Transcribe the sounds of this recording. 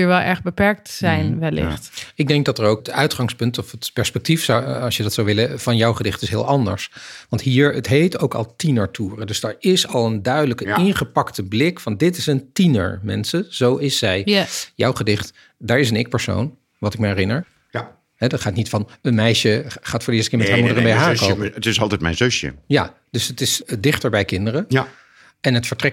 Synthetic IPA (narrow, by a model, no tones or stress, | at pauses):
iɹʋɛlˠʔɛɹχbəpɛɹk̚tsɛjnʋɛlɪ̰χtɪɡ̚dɛŋk̚dɑtəɹowkətœɥtχɑŋspɵntɔfətpɛɹspɛk̚tifsɑsjədɑtsawʋɪləv̥ɑnjɔwχədɪχtɪsɦɪːlˠʔɑndə̰ɹsʋɑntɦiːɹətɦejtowkɑ̰lˠtinəɹtʰuːrədɵzdɛɹɪsɑlˠəndœɥdələkəɪnχəpɑktəblɪkfɑndɪtɪsəntinə̰ɹmɛ̰nsəz̥owɪsːɛjjɔ̰wχədɪχt | daːɹɪs̬ənɪk̚pəɹso̰wn | ʋɑtɪk̚məɛrɪnəɹ | ɦɛdɑtχaːtnitfɑnənmɛjʃəχaːtfʊːɹdəɪːstkɪːɹmɛtɦaɹmudəɹəbejɦaːɹkowətɪsɑlˠtɛjt̚mɛ̰jnzøsjə̰ja̰ | d̥øsətɪsdɪχtəɹbɛjkɪndəɾə | ɛnɦətfəɹtrɛk